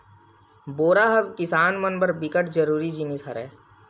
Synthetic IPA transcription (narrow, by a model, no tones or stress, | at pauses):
boːɾaɦɐbkɪsaːnmənbəɾbɪkəʈd͡ʒəɾuːɾid͡ʒinisəɾɛː